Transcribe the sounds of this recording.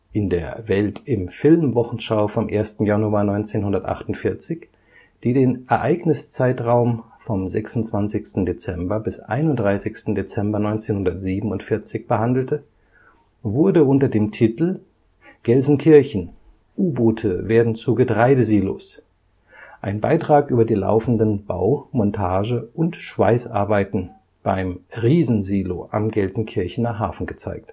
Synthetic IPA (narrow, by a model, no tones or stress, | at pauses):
ʔɪndeːɐvɛltɪmfɪlmvɔχn̩ʃaʊfɔmʔeːɐstn̩januaːnɔʏnt͡seːnɦʊndɐtʔa̰χtʊntfɪɐt͡sɪç | d̥iːdeːnʔɛɐʔaɪɡnɪst͡saɪtʁaʊm | fɔmzɛ̰ksʊntt͡sv̥ant͡sɪçstn̩det͡sɛmbɐbɪsʔa̰ɪnʊntd̥ʁaɪsɪçstn̩det͡sɛmbɐnɔʏnt͡seːnhʊndɐtz̥iːbm̩ʊntfɪɐt͡sɪçb̥əhandl̩tə | vʊɐdəʊntɐdeːmtʰitl̩ | ɡ̥ɛlzn̩kʰɪɐçn̩ | ʔuːbuːtʰəveːɐdn̩t͡suːɡətʁ̥aɪdəziːlo̰s | ʔaɪnba̰ɪtʁ̥aːkʔyːbɐdiːla̰ʊfn̩dənb̥a̰ʊmɔntʰaːʒəʔʊntʃv̥a̰ɪsʔa̰ɐbaɪtn̩ | b̥aɪmʁiːzn̩ziːloʔa̰mɡɛlzn̩kʰɪɐçn̩naːχɦa̰ːfn̩ɡət͡sa̰ɪk̚t